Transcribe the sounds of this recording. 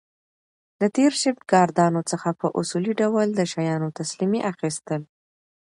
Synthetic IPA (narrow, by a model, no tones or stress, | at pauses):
lat̪eɾʃəbɡɑɾd̪ɑnot͡səxapəʔʊsuliɖawəld̪əʃajɑnot̪aslimiʔaxist̪əl